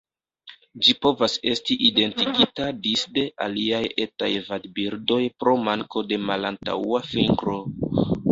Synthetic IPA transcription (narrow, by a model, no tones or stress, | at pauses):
d͡ʒipo̞vase̞stiʔide̞ntiɡitadisde̞ʔa̰liaje̞ta̰jvadbiɾdo̞jpɾo̞maŋko̞de̞malanta̰uafiŋɡɾo̞